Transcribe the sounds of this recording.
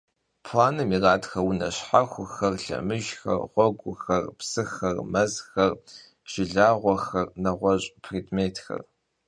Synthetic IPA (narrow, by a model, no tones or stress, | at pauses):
pʰlaːnɨmiraːtxɐwunɐ̰ɕħaxʷʊxɐrɬɐ̰mɨʒxɐ̰rʁʷɔɡʷʊxɐrpsɨxɐrmɐzxɐr | ʒ̥ɪɮaːʁʷɔxɐrnɐʁʷɔɕʼpʰriːdmeːtʰxɐ̰r